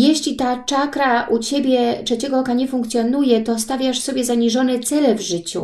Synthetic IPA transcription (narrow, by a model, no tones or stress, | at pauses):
jɛɕlʲit̪at͡ʂakɾaʔut͡ɕebʲjɛtʂɛt͡ɕɛɡɔɔkaɲɛfuŋkt̪sʲjɔnujɛt̪ɔst̪avʲjaʂsɔbʲjɛzaɲiʐɔnɛt̪sɛlɛvʐɘt͡ɕṵ